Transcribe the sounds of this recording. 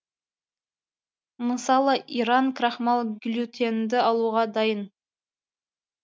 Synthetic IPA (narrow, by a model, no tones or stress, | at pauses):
məsɑlˠəʔiɾɑŋkʰɾɑχmɑlˠɡʲlʲut̪ʰe̞nd̪ɪɑlˠuʁɑd̪ɑjən